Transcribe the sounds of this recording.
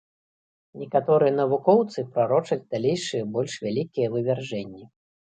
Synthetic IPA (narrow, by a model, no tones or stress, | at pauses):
nʲɛkat̪ɔɾɨjɛnɐvukɔwt̪sɨpɾaɾɔt͡ʂɐd͡zʲd̪alʲejʂɨjɐbɔlʲʂvʲalʲikʲijɐvɨvʲɛrʐɛnʲːi